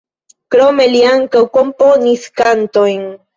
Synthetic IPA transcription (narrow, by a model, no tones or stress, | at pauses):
kɾomeliaŋkawkomponiskant̪ojŋ